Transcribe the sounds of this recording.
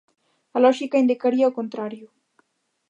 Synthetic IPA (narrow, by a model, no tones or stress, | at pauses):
alɔʒikaind̪ikaɾiaokont̪ɾaɾju